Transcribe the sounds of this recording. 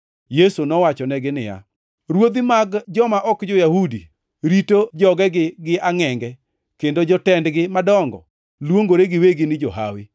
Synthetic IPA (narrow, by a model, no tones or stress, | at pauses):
jesunɔwat͡ʃɔnɛɡɪnɪja̰ | ɾwod̪imaɡd͡ʒɔmaʔɔkd͡ʒɔjahudi | ɾitod͡ʒɔɡɛɡɪɡɪʔaŋɛŋɡɛ | kendod͡ʒɔtɛndɡɪmadɔŋɡɔ̰ | lwoŋɡoɾeɡɪweɡɪnɪd͡ʒɔɦa̰wɪ